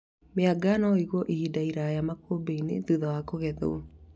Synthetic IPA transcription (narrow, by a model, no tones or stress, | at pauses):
meaɡaːnɔiɣwɔʔihidaiɾajamakobeinḛðuðawakoɣɛðo̰o